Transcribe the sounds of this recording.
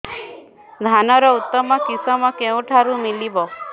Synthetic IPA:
d̪ʱanɔɾɔʊt̪ːɔmakisɔmãkeũʈʰaɾũmilibɔ

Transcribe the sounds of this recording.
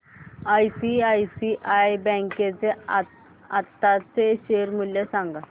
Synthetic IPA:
ajsiajsiʔajbɛ̃ŋket͡sea | at̪ːat͡seɕeɾmuljesãŋɡa

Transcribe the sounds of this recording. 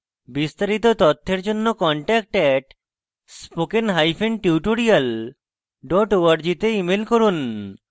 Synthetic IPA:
bist̪aɾit̪ot̪ɔt̪ʰːeɾd͡ʑonːokɔɳʈɛk̚ʈɛʈ | spokenɦajfʰenɖʈiuʈoɾijal | ɖɔʈoaɾd͡ʑit̪eimelkoɾun

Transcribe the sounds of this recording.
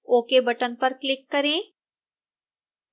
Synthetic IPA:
oːkebɐʈənpɐɾklɪkːɐɾẽː

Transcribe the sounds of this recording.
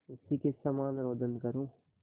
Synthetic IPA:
ʊsikesamaːnɾoːd̪ənkɐɾũː

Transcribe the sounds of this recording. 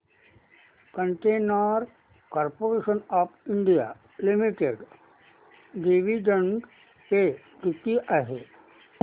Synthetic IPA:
kə̃ɳʈeːnaɾ | kɔːɾpoːɾeːʃənɔːpʰɪ̃ɳɖija̰ | lɪmiʈeɖ | ɖiʋiɖə̃ɳɖ | pe | ut̪iʔaɦe

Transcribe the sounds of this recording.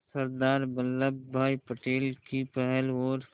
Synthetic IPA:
səɾd̪aːɾbəlːəbːʱaːipəʈeːlkipɛɦɛlɦoːɾ

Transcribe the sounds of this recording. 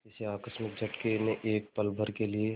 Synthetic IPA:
ɪseaːkəsmɪk̚d͡ʒʱɐʈkeneʔeːk̚pəlbʱəɾkelie

